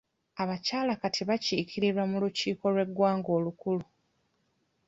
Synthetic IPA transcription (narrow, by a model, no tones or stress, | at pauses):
aβacaːlakatʰiβaciːkʰiɾiɾwamuluciːko̞lwe̞ɡwaːŋɡo̞ːlukulu